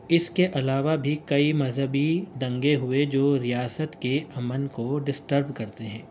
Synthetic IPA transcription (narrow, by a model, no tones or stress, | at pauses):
ɪskeʔɐlaːʋabʱikɐimɐzɦəbid̪ɐ̃ŋɡeɦʊed͡ʒoːɾijaːsət̪keɐmənkoɖɪsʈəɾbkɐɾt̪eɦɛ̰̃ː